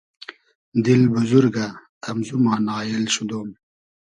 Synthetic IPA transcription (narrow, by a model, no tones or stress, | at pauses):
d̪ilbuzuɾɡat̪ɐmzumaːnɑːjilɕud̪oːm